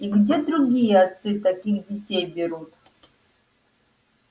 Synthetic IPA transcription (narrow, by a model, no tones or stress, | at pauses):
iɡdʲed̪ɾuɡʲijeat͡sɨt̪akʲixdʲitʲejbʲeɾut̪